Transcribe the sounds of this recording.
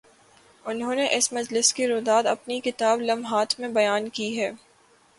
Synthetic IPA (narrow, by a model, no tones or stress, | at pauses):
ʊnɦõːneʔɪsmɐd͡ʒlɪskeɾoːd̪aːd̪ɐpnikɪt̪aːblɐmɦaːt̪ʰmẽbɐjaːnkiɦɛː